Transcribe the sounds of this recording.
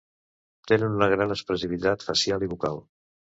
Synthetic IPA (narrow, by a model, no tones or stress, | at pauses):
t̪enənunəɣ̞ɾanəspɾəsiβ̞it̪at̪fəsjaliβ̞ukalˠ